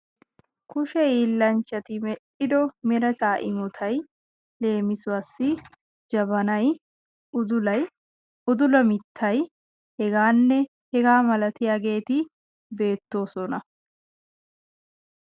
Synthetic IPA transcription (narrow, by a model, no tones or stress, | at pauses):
kʊʃɛiːlːɐnt͡ʃːɐt̪ɪmɛᶑɪd̪ɔmɛɾɐt͡ʃaːʔɪ̰mɔt̪ʰɐj | le̞ːmɪsʊwɐsːɪ | d͡ʒɐbɐnɐj | ʊd̪ʊlɐj | ʊd̪ʊlɐmɪt̪ʰːɐj | hɛɡaːnːɛ | hɛɡaːmɐlɐt̪ɪjaːɡe̞ːt̪ɪ | be̞ːt̪ːo̞ːsɔnɐ